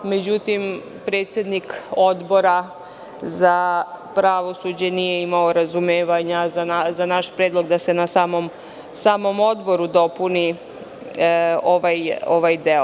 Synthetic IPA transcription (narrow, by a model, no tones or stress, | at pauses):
me̞d͡ʑut̪im | pɾe̞ːt̪sʲjed̪niko̞d̪bo̞ɾa | zapɾaʋo̞sud͡ʑenijeimaoɾazumeːʋaɲazanazanaʃpɾeːd̪lˠo̞ɡd̪ase̞nasaːmom | saːmo̞mo̞d̪bo̞ɾud̪o̞puni | o̞ʋajoʋajd̪e̞o